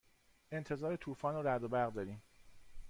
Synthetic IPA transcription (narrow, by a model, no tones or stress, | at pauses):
ʔe̞nt̪ʰe̞zɒːɾet̪ʰuːfɒːnoɾæd̪obæɾɣd̪ɒːɾiːm